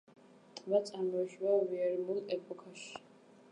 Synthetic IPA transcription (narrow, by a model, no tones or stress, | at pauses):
t̪ʼvat̪sʼaɾmɔiʃvaviɛɾmulˠɛpʼɔkʰaʃi̥